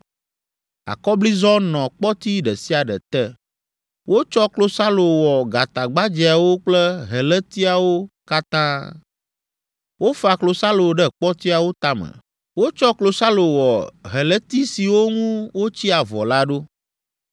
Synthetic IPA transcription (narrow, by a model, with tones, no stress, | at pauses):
a̰˨kɔ˦bli˦zɔ˦nɔ̃˨k͡pɔ˦t̪i˦ɖɛ˨si˦a˨ɖɛ̰˨t̪ɛ˦ | wʔo˦t͡ʃɔ˦klo˦sa˦lo˨wɔ˨ɡa˨t̪a˨ɡ͡ba˦d͡ʒɛ˨a˨wo˦k͡plɛ˦ɦɛ˨lɛ˦t̪i˦a˨wo˦ka˦t̪ã˦ | wo˦fa˨klo˨sa˦lo˨ɖɛ˦k͡pɔ˦t̪i˦a˨wo˦t̪a˦mɛ̰̃˨ | wo˦t͡ʃɔ˦klo˨sa˦lo˨wɔ˨ɦɛ˨lɛ˦t̪i˦si˨wo˦ŋũ˦wo˦t͡ɕi˦a˨vɔ̰˨la˦ɖo˦